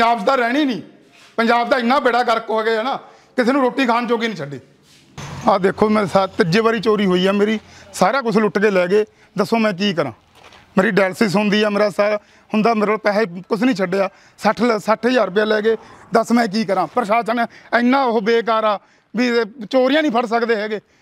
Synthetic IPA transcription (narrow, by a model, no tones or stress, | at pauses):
d͡ʒaːbt̪aːɾɛːɽ̃iːnĩː | pənd͡ʒaːbd̪aːɪnːãːbeːɽaːkəɾkoːɡeːɛːnaː | kɪsʰeːnũːɾoːʈːiːkʰaːnt͡ʃoːɡiːnĩːt͡ʃʰəɖːeː | aːd̪eːkʰːoːmɛ̃ːsat̪ɪd͡ʒeːbaːɾiːt͡ʃoːɾiːɦoːiːɛːmeːɾiːsaːɾaːk̬ʊt͡ʃʰlʊʈɡeːlɛːɡeː | d̪əsõːmɛ̃ːk̬iːk̬əɾãː | meːɾiːɖɛːlsis̬ɦʊnd̪iːɛːmeːɾaːsaː | hʊnd̪aːmeːɾəlpɛːekʊt͡ʃʰnĩːt͡ʃʰəɖeːaː | səʈʰsəʈʰɦəd͡ʒaːɾp̬ɪjãːlɛːɡeːd̪əsmɛ̃ːk̬iːk̬əɾãːpəɾʃaːt͡ʃənːəɪnːãːɦobeːk̬aːɾaː | ʋiːt͡ʃoːɾɪjãːnĩːpʰəɾsəkd̪eːɦɛːɡeː